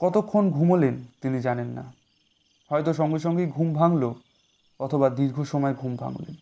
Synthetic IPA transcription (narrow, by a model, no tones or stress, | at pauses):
kɔt̪okʰːonɡʱumolent̪inid͡ʑanenːa̰ | hɔet̪oʃɔŋɡeʃɔŋɡejɡʱumbʱaŋlo | ɔt̪ʰobad̪iɾɡʱoʃɔmɔeɡʱumbʱa̰ŋlḛn